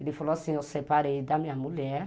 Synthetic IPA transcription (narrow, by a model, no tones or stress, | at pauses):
ilifɔlɔsĩɔsɛpaɾedamĩamũlɛ